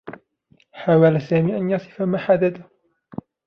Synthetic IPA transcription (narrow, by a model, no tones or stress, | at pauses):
ħaːwalasaːmiːʔanjɑsˤɨ̥famaːħad̪ad̪a